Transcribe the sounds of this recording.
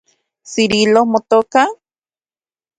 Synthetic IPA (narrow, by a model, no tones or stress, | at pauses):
siɾilohmot̪oka